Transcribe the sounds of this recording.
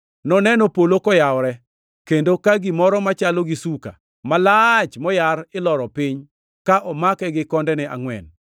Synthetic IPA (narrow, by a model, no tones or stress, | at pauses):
nɔnɛnopolokɔjaɔɾɛ | kendokaɡimɔɾɔmat͡ʃaloɡisuka̰ | malat͡ʃmɔjarɪlɔɾɔpɪɲ | kaʔɔmakɛɡɪkɔndɛnɪʔa̰ŋwɛ̰n